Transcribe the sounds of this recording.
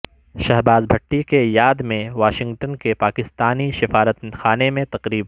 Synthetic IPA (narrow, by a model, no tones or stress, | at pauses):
ʃɐɦbaːzbʱɐʈːikejaːd̪mẽʋaːʃɪ̃ŋɡʈənkepaːkɪst̪aːniʃɪfaːɾət̪xaːnemẽt̪ɐqɾiːb